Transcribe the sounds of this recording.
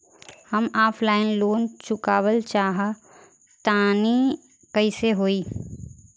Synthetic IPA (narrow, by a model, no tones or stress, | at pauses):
hɐmaːpʰlaːɪnloːnt͡ʃʊkaːwəlt͡ʃaːɦa | t̪aːni | kəiseɦoːiː